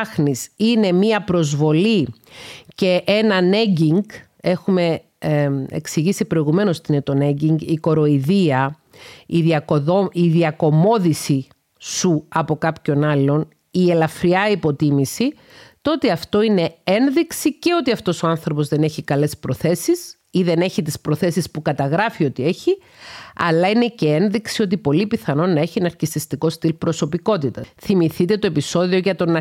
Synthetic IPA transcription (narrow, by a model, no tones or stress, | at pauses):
xnisine̞miɐpɾo̞zvo̞li | ce̞ʔe̞nɐne̞ɟiŋɡ | e̞xume̞ | ḛksiʝisipɾo̞iɣume̞no̞st̪inet̪o̞ne̞ɲɟiŋɡiko̞ɾo̞iðiɐ | iðiɐkoðoiðiɐko̞mo̞ðisi | suɐpo̞kɐpço̞nɐlːo̞n | ie̞lɐfɾiɐipo̞t̪imisi | t̪o̞t̪eɐft̪o̞ine̞enðiksice̞o̞t̪iɐft̪o̞so̞ɐnθɾo̞po̞zðe̞ne̞çikɐle̞spɾo̞θe̞sis | iðe̞ne̞çit̪ispɾo̞θe̞sispukɐt̪ɐɣɾɐfio̞t̪ie̞çi | ɐ̰lɐine̞ce̞e̞nðiksio̞t̪̬ipo̞lipiθɐno̞nːɐeçinɐɾkist̪ist̪iko̞st̪ilpɾo̞sopiko̞t̪it̪ɐθimiθit̪et̪o̞episo̞ðioʝɐt̪o̞nɐ